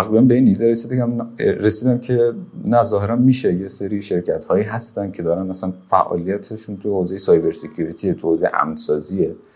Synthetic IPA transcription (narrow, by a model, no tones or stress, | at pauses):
t̪æɣɾibænbe̞iːniːd̪ɛɾesid̪eæmɾe̞siːd̪æmcʰe̞næzɒːɦe̞ɾænmiːʃejeseɾiːʃe̞ɾcʰæt̪hɒːjiːɦæst̪ænd̪̚cʰe̞d̪ɒːɾænæsænfæ̰ʔɒ̰ːlijæt̪ʰeʃunt̪ʰuhoze̞jesɒːjbe̞ɾsecʰuɾit̪ʰiet̪ʰuhozejeʔæ̰mnsɒːzie